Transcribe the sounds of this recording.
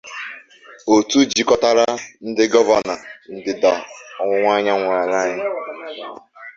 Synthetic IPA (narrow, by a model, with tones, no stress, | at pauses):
o˨tu˦d͡ʒi˨kɔ˦ta˦ɾa˦n̩˦dɪ˦ɡɔ˦va˨na˨n̩˦dɪ˨da˨ɔ˨ŋʷʊ˨ŋʷa˦ɲa˦ŋʷa˨ɾa˨la˦ɲa˦